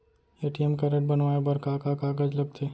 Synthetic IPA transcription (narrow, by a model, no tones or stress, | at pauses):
eːʈiemkɐɾeʈ̚bɐnʋaːebɐɾkakakaːɡɐd͡ʒlɐɡ̚t̪ʰeː